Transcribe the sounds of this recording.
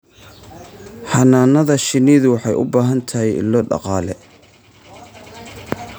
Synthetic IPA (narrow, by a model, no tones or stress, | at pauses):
ħɑnaːnɐðɐʃɪniːðʊwɑħɑjʔʊ̰baːɦɐnt̪ʰɐɦɛjɪ̰lːɔɖɑ̰qɑːlɛ